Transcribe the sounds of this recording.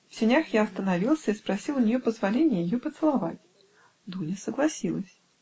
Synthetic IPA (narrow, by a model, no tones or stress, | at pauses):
fsʲɪnʲaxjaɐst̪ənɐvʲilˠsʲəispɾɐsʲilˠʊnʲɪjopəzvɐlʲenʲɪjəjɪjopət̪sɨlˠɐvatʲ | d̪unʲɪsəɡlˠɐsʲilˠəsʲ